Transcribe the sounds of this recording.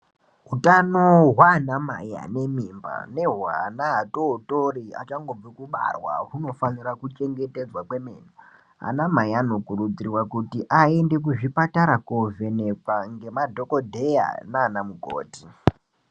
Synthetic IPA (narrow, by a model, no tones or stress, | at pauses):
ɦutanoɦwanama̰ja̰ne̞mimba̰ne̞ɦwa̰naːtotoɾia̰t͡ʃaŋɡo̞b͡vikuɓa̰rwa̰ɦuno̞fanirakut͡ʃe̞ŋɡe̞te̞d͡zwakwe̞meːno | a̰namaiano̞kurud͡ziriwakutiʔaende̞k̬uʐipataɾakovenekaŋɡe̞madʱo̞kodʱe̞ja̰naːnamuɡʱo̰ːti